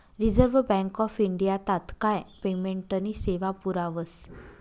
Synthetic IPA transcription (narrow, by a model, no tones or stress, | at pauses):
ɾid͡zəɾʋbɛ̃ŋkɔfiɳɖijat̪at̪kajpemeɳʈəniseʋapuɾaʋəs